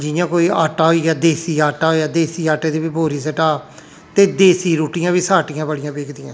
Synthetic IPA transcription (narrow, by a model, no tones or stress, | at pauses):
d͡ʒɪjãːkoːiːaːʈaːɦoːiːɡaːd̪eːsiːaːʈaːɦoːaːd̪eːsiːaːʈeːd̪eːbiːbʱoːɾiːsəʈaː | t̪eːd̪eːsiːɾuːʈiːjãːʋiːsaːʈijãːbəɽɪjãːbeːkʰd̪ɪjãː